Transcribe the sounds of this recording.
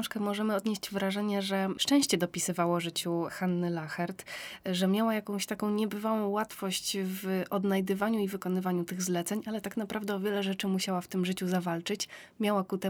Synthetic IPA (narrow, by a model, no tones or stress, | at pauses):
ʂkɛmɔʐɛmɘɔd̪ɲeɕt͡ɕvɾaʐɛɲɛʐɛʂt͡ʂɛ̃w̃ɕt͡ɕɛd̪ɔpʲisɘvawɔʐɘt͡ɕuxanːɘlaxɛɾt̪ʐɛmʲjawajakɔ̃w̃ɕt̪akɔ̃w̃ɲɛbɘvawɔ̃w̃wat̪fɔɕt͡ɕvʔɔd̪najd̪ɘvaɲuivɘkɔnɘvaɲut̪ɘɣzlɛt̪sɛɲalɛt̪akn̪apɾavd̪ɛɔvʲjɛlɛʐɛt͡ʂɘmuɕawaft̪ɘmʐɘt͡ɕuzavalt͡ʂɘt͡ɕmʲjawakut̪ɛ